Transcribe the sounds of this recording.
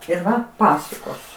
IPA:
ɪr ˈʋɐ ˈpɑːsʊkoːs

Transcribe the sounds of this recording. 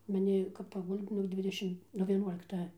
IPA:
mɐˈnʲɪ kɐp pɐˈɡʊlʲtʲ nʊk ˈdʲʋʲɪdʲɛʃʲɪm nuɔ ʋʲiɛˈnuɔlʲɪktɐ

